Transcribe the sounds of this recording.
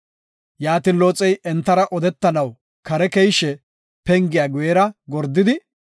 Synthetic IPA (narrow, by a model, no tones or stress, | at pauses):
jaːt̪ɪnloːt͡sʼɛjʔɛnt̪ːɐɾɐʔɔd̪ɛt̪ːɐnɐw | kɐɾɛkɛjʃɛ | pɛŋɡɪjaːɡʊjɛɾɐɡɔɾd̪ːɪd̪ɪ